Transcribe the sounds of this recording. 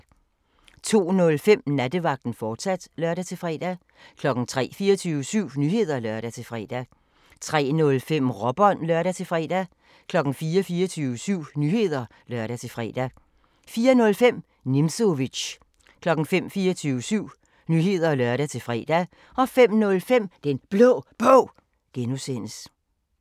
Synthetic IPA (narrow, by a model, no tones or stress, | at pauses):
t͡sʰo̝̰ːnɔ̽lfem̰næd̥əʋɑ̈ɡ̥̚d̥n̩fɒːd̥sæd̥lɶɐɾæt͡sʰe̝fʁɛ̰ːd̥æ | kʰlɒ̽ɡ̥n̩t͡sʰʁɛ̰ːfiːɒt͡sʰyːʋəsyʊ̰nyhe̝ð̞̰ˠɐlɶɐɾ̥æt͡sʰe̝fʁɛ̰ːd̥æ | t͡sʰʁɛ̰ːnɔ̽lfem̰ʁɒ̽b̥ɒnlœɐɾæt͡sʰe̝fʁɛ̰ːd̥æ | kʰlɒ̽ɡ̥n̩fiːɐfiːɐt͡sʰyːʊəsyʊ̰nyːhe̝ð̰ˠɐ | lɶɐɾ̥æt͡sʰe̝fʁɛ̰ːd̥æ | fiːɐnɔ̽lfem̰ | nimsoʋi̥ɕ | kʰlɒ̽ɡ̥ŋ̩fem̰fiːɐt͡sʰyːʊəsyʊ̰ | nyɦe̝ð̰ˠɐlɶɐɾ̥æt͡sʰe̝fʁɛ̰ːd̥æ | ɒ̽fem̰nɔ̽lfem̰d̥enb̥lɔ̰ːb̥ɔ̰ː | ɡ̥enusenəs